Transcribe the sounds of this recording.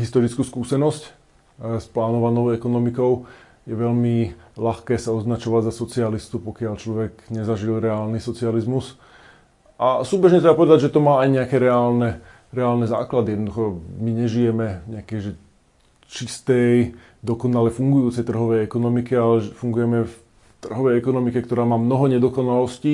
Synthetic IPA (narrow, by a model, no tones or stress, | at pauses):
ɦist̪ɔɾit͡skuːskuːsɛnɔsc | splaːnɔʋanɔʊɛkɔnɔmikɔʊ | jɛʋɛʎmilaxkɛːsaɔznat͡ʃɔʋaɟzasɔt͡sialist̪upɔkɪaʎt͡ʃlɔʋɛɡɲɛzaʒilɾɛaːlnisɔt͡sializmus | ʔasuːbɛʒɲɛt̪ɾɛbapɔʋɛd̪aɟʒɛt̪ɔmaːajɲɛakɛɾɛaːlnɛ | ɾɛaːlnɛza̰ːklad̪ijɛd̪nɔd̪uxɔmiɲɛʒijɛmɛɲɛakɛjʒɛ | t͡ʃist̪ɛj | d̪ɔkɔnalɛfuŋɡujuːt͡sɛjt̪r̩ɦɔʋɛjɛkɔnɔmikɛalɛɛfuŋɡujɛmɛf | t̪r̩ɦɔʋɛjɛkɔnɔmikɛk̚t̪ɔɾaːmaːmnɔɦɔɲɛd̪ɔkɔnalɔsci